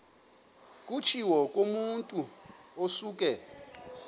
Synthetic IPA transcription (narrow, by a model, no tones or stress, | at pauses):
kʼut͡ʃʰiwɔkʼomuntʼuosuːk̬ʼɛ